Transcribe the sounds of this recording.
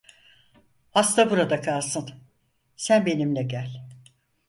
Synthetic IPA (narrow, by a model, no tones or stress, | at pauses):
ast̪ʰabuɾad̪akʰalˠsɯn | sænbe̞nimlʲɛɟælʲ